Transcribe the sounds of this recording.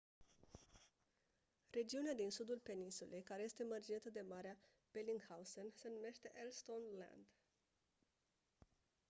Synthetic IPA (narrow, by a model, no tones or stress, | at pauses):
re̞d͡ʒiunead̪insud̪ulpe̞ninsule̞jkaɾe̞je̞st̪e̞mərd͡ʒent̪əd̪e̞maɾea | b̥eliŋɡhawsənse̞nume̞ʃt̪e̞ʔelst̪onla̰nd̪